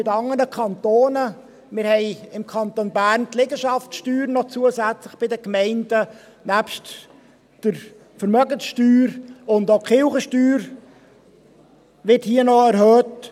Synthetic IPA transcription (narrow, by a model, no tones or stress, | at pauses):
mɪtɑŋənəkʰɑntoːnə | mɪɾhɛɪɪmkʰɑnt̪onbæːɾntlɛɡəʃɑftʃtyːɾnɔt͡suəsæt͡slɪχb̥ɪdəkmɛɪndə | næːpʃt | d̥əɾ | fəɾmœɡənsʃtyːɾʊndokχɪlχəʃtyːɾ | ʋɪthiənɔɛɾhœːt